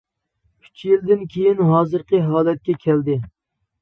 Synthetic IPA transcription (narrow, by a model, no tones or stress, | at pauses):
kʲʰy̥t͡ʃʰjild̪ɪnkʲʰejinɦɑːzɨɾqʰəɦɑːlɛt̪̚kʲɛkʲʰɛld̪ɪ